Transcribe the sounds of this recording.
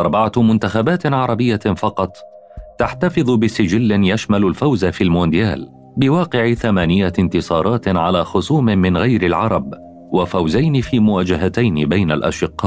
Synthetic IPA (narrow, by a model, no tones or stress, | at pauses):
ʔɑɾˤbaʕamʊnt̪axabaːt̪ʕɑɾˤɑbɪjːafɑqɑt̪ˤ | t̪aħt̪afɨðˤbɪsɪd͡ʒɪlːɪnjaʃmalʊlfawzafiːlmoːnd̪ɪjaːl | bɪwɑːqɪʕɪθamaːnɪjːaɪnt̪ɪsˤɑːɾˤɑːt̪ʕalaːxʊsˤuːmɪmɪnɣajɾɪlʕɑɾˤɑb | wafawzajnɪfiːmʊwaːd͡ʒaɦat̪ajnɪbajnalʔa̰ʃɪqːɑːʔ